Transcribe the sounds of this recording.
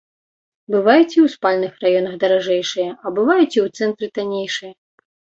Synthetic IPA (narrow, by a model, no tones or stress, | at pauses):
bɨvajut͡sʲiwspalʲnɨxrajɔnɐɣd̪ɐɾaʐɛjʂɨjɐʔɐbɨvajut͡sʲiwt̪sɛnt̪ɾɨt̪anʲejʂɨjɐ